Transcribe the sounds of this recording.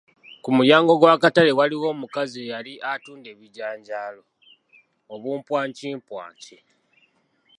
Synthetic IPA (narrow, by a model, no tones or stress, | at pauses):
kumujaːŋɡo̞ɡwaːkatale̞waliwo̞ːmukazijaliʔatuːnde̞ːβiɟaːɲɟaːlo̞ | oβuːmpwaːɲciːmpwa̰ːɲci